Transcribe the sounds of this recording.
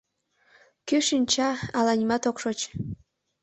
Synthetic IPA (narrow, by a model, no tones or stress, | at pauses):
kyʃinʲt͡ɕɑɑlɑnʲmɑt̪okʃot͡ɕ